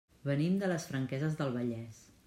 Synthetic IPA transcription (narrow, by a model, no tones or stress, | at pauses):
βənimd̪ələsfɾəŋkɛzəzðəlˠβəʎɛs